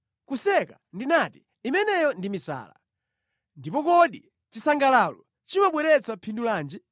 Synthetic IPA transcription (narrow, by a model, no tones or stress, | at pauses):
kusɛka | ndinati̥ | imɛnɛjɔndimisa̰ːla̰ | ndipɔkɔɗi | t͡ʃisaŋɡalalɔ̰ | t͡ʃimaɓwɛɾɛt͡sʰapʰindulaːnd͡ʒɛ